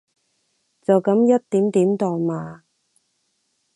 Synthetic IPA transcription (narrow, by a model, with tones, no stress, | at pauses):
t͡sɐ˨wkɐ˨˥mjɐ˥t̚t̪ːiː˨˥mt̪iː˨˥mt̪ɔː˨˩ŋmaː˨